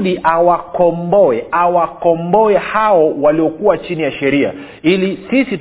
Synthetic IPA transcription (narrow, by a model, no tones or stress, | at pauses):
ɗiʔawakɔmbɔɛʔawakɔmbɔɛhaɔwaliɔkuwat͡ʃinijaʃɛɾia̰ | ilisisit